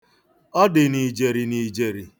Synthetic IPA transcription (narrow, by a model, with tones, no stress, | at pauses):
ɔ˦dɪ˨ni˨d͡ʒe˨ɾi˨ni˨d͡ʒe˨ɾi˨